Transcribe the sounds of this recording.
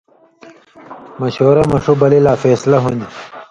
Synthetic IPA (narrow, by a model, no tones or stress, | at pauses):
mɐɕoːɾɐmɐʂubɐlelaːfeːslɐɦund̪i